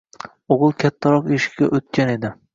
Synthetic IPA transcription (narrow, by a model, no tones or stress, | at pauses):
oʁɨlˠkʲʰat̪ʰːaɾɒqeʃɪ̥kʲkʲaʔot̪̚kʲane̞d̪ɪ